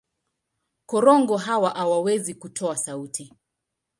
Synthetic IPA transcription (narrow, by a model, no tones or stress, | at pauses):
kɔɾɔŋɡɔɦawaʔawawɛzikutʰɔasautʰi